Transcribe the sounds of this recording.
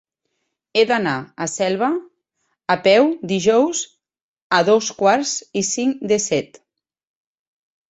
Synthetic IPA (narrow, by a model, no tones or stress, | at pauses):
ed̪anaasɛlˠβ̞aː | pɛwd̪iʒɔwz | aðoskwaɾzisiŋd̪esɛt̪